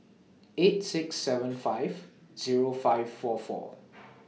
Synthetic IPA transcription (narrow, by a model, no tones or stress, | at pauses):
etsɪksːɛvə̃nfajv | z̥iɹofaɪvfɔfɔ̰